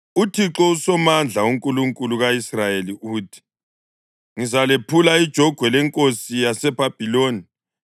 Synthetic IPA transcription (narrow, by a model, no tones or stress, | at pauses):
utʰiǁɔusɔmand͡ɮʱauŋkʼuluŋkʼuluɣaisrajeliuːtʰi̥ | ŋizalepʰulaid̥ʒ̥ʱɔɡ̥ʱwɛlɛŋkʼosijasɛbʱab̥ʱiloːni